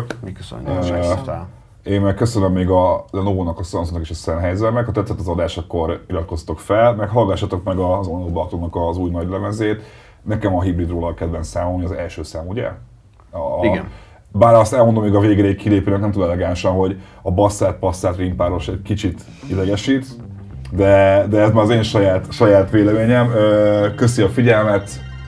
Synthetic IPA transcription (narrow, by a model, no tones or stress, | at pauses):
mikøsø̰nːt̪ɛ̰ | eːmmɛkːøsønømːeːɡɒnoːnɒkɒsonsonɒkeːʃɒsɛnɦɛjzɛlmɛkhɒt̪ɛt̪sːɛt̪ːɒzɒd̪aːʃɒkːo̞ɾiɾɒt̪̚ko̞sɒt̪o̞kfɛlmɛkɦɒlɡɒʃːaːt̪o̞kmɛɡɒzonoːblɒt̪onɒkɒzuːjnɒɟlɛmɛzeːt̪ | nɛkɛmɒɦibɾid̪roːlɒkɛd̪bɛnsaːmolmojɒzɛ̰lʃøːsaːmuɟɛ̰ | i | baːɾɒst̪ɛlmo̞nd̪o̞meːɡɒveːɡrɛikkʰːileːpøːnɛknɛmt̪uːlɛlɛɡaːnʃɒnɦo̞ɟɒbɒsːaːt̪̚pɒsːaːt̪rimpaːɾo̞ʃɛɟkit͡ʃit̪ | id̪ɛɡɛʃit̪ | d̪ɛd̪ɛɛst̪maːɾɒzeːnʃɒjaːt̪ʃɒjaːt̪ʋeːlɛmeːɲɛmøːkøsiɒfiɟɛlmɛt̪